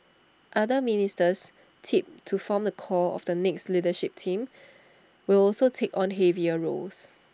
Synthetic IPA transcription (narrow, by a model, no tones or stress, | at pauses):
ʔadəministəs | tʰip̚tʰufɔmdəkʰɔlɔ̰fdənɛkslidəʃip̚tʰĩm | wilɔlsotʰekɔ̃nɦeviəɹo̰ls